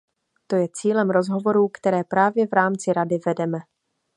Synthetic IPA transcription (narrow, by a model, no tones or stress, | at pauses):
t̪o̞jɛt͡siːlɛmɾo̞zɦo̞vo̞ɾuːkt̪ɛɾɛːpɾaːvjɛvɾaːmt͡sɪɾadɪvɛdɛmɛ